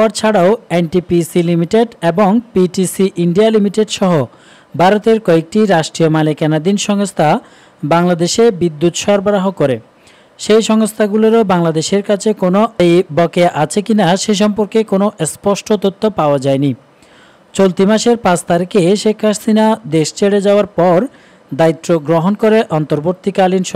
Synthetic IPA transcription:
aɾt͡ɕʰaɽaoenʈipisilimiʈeɖeboŋpiʈisiʔiɳɖialimiʈeɖʃɔɦo | bʱaɾot̪eɾkɔek̚ʈiɾaʃʈɾiomalekɛnad̪inʃɔŋost̪ʰa | baŋlad̪eʃebid̪ːut̪ʃɔɾbaɾaɦokoɾḛ | ʃejʃɔŋost̪ʰaɡuloɾobaŋlad̪eʃeɾkat͡ɕʰekonojbɔkeaʔat͡ɕʰekinaʃejʃ̬ɔmpoɾkekonoʔespɔʃʈʰot̪ot̪ʰːopaoad͡ʑaeni | t͡ɕolt̪imaʃeɾpãt͡ɕʰt̪aɾikeʃekʰːasinad̪eʃt͡ɕeɽed͡ʑaoaɾpɔɾ | d̪ait̪ːɾoɡɾoɦonkoɾeʔɔnt̪oɾboɾt̪ːikalinʃ

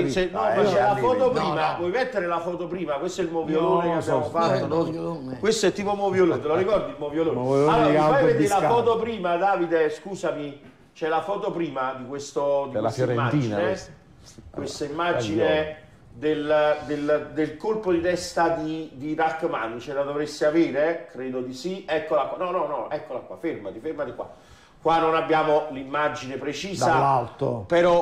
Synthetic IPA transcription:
t͡ʃnɔmat͡ʃːɛlafɔːt̪opɾiːmavwɔjmɛt̪ːeɾelafɔːt̪opɾiːmakwest̪oɛilmovjoloːnekiabjamofat̪ːo | kwest̪oɛt̪ːiːpomovjoloːnet̪eloɾikɔrd̪imovjoloːnealoːɔɛt̪ːilafɔːt̪opɾiːmad̪aːvid̪eskuːsami | t͡ʃɛlafɔːt̪opɾiːmad̪ikwest̪od̪ijɾemːad͡ʒine | kwest̪aimːad͡ʒine | d̪eld̪eld̪elkolpod̪it̪ɛst̪ad̪id̪iɾakːmanːt͡ʃɛlad̪ovɾesːeaveːɾekɾeːd̪od̪isiɛkːolakwanɔnɔnɔɛkːolakʷːwa̰fermad̪ifermad̪ikːwa̰ | kːwanːonabːjaːmolimːad͡ʒinepɾet͡ʃiːzaalt̪o̰peɾɔ

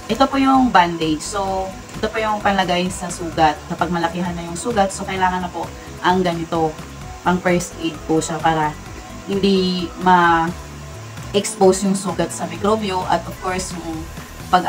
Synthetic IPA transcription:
ʔɛt̪opojʊŋband̪ed͡ʒso | ʔɛt̪o̞pʊjʊŋpɐnlɐɡaːjɪnsɐsuːɡɐt̪̚sɐpɐɡ̚mɐlɐkiɦɐnːɐjʊŋsuːɡɐt̪̚so̞kɐjlaːŋɐnːɐpoʔ | ʔɐŋɡɐnɪt̪o̞ | ʔɐŋpɛsed̪̚pʊʃapaːɾɐ | hɪnd̪imɐ | ʔɛkspowsjʊŋsuːɡɐt̪̚sɐmɪkɾoːbioʔɐt̪ʔov̥ko̞ɹsjʊŋ | pɐɡ

